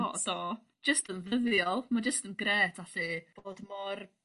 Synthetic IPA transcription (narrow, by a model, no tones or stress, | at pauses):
ɔ̰d̥ɔː | d͡ʒəstənvəðjɔlˠmad͡ʒəstənɡreːtʰaɬib̥oːdmɔr